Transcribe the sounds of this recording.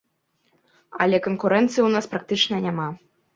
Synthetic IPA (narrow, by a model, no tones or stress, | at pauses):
ɐlʲɛkɔnkuɾɛnt̪sɨjuwnaspɾak̚t̪ɨt͡ʂnɐnʲama